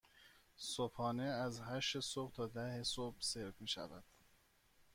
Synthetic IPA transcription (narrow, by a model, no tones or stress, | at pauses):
sopʰhɒːneæzɦæʃtesobt̪ʰɒːd̪æhesobseɾfmiːʃæ̰væd̪̥